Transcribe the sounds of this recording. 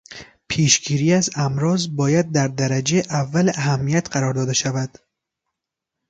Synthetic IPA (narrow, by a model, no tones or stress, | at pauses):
pʰeːʃɡiːɾiːæzæmɾɒːzbɒːjæd̪̚ːæɾd̪æɾæd͡ʒeʔævːælæɦæmːijæt̪ɢæɾɒːɾd̪ɒːd̪eʃævæd̪̥